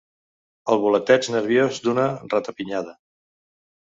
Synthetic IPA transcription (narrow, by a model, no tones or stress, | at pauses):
əlˠβulət̪ɛt͡ʃnəɾβ̞jozd̪unərat̪əpiɲaðə